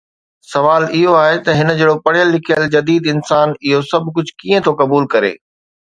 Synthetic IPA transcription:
sɐʋaːlɪɦoaːɦet̪ɐɦɪnə̆d͡ʑeːɽopɐɽ̤ijəlːɪkʰijəld͡ʑɐd̪iːd̪ɪnsaːnɪɦosɐbʱkʊd͡ʑʱkiːẽt̪ʰokɐbuːlkɐɾḛː

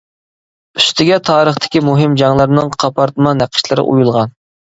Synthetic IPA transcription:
yst̪ʰɪɡʲɛt̪ʰɑːɾəχt̪ʰɪ̥kʲimuɦɪmd͡ʒɑŋlˠɑɾnɨŋqʰɑpʰɑɾt̪mɑnæqʰə̥ʃlˠɨɾɪ̰ʔṵjulˠʁɑn

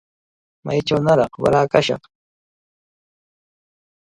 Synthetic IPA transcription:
ma̰jt͡ʃawnaɾɑqwa̰ɾaːkaʃɑ̰χ

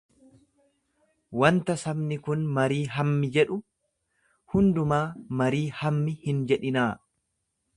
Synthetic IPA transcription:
wɐnt̪ɐsɐmnɪkʊnmɐɾiːɦɐmːɪd͡ʒɛᶑʊ | hʊnd̪ʊmaːmɐɾiːhɐmːɪhɪnd͡ʒɛᶑɪnaː

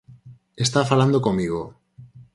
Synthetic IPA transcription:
e̞st̪afaland̪oko̞mːiɣ̞o

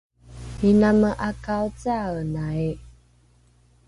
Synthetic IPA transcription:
inaməʔakawt͡sanai

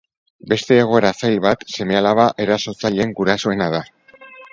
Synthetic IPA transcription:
be̞st̪e̞ːɣ̞o̞e̞ɾasajlβat̪se̞me̞alaβaʔe̞ɾaso̞t͡saʎeŋɡuɾaso̞e̞nað̞a

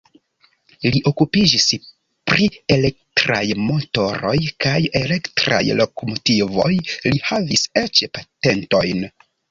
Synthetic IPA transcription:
liʔo̞kupid͡ʒis | pɾie̞le̞k̚tɾa̰jmo̞to̞ɾo̞̰jkajele̞ktɾa̰jlo̞komo̞tivo̞̰jlihavise̞t͡ʃpate̞nto̞jn

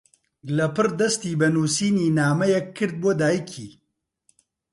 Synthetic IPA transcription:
lɐpɨrd̪ɐst̪iːbɐnuːsiːniːnaːmɐjɛkʰːɨɾd̪̚bod̪aːjikʰḭː

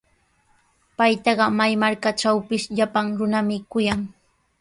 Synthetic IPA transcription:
pajt̪ɑɢɑmajmaɾkaʈ͡ʂawpɪsʎapaŋɾʊnamɪkʊjaŋ

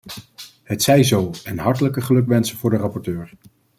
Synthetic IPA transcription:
ɦətsɛjzowɛnɦɑɹtələkəχəlɵkʋɛnsənvʊːɹdərɑpɔɹtøːɹ

